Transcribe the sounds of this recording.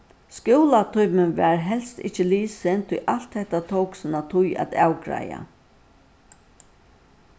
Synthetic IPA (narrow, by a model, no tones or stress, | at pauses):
skʊwlat̪ʰɔjpmɪnʋɛːɹɦɛlst̪ɪ̰t͡ʃəliːsɛnt̪ʰɪʔal̥t̪hɛht̪at̪ʰowksɪnat̪ʰʊja̰t̪awkɾa̰ja̰